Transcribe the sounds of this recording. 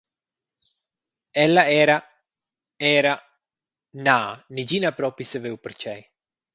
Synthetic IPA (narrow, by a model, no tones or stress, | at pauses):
ɛlːaɛːɾa | ɛːɾa | nanid͡ʒinapɾɔpisevewpeɾt͡ʃɛj